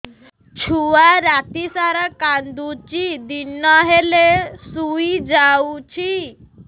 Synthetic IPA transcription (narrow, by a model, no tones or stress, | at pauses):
t͡ʃʰuwaɾat̪isaɾakand̪ut͡ʃid̪inɔɦelesuid͡ʒawut͡ʃʰi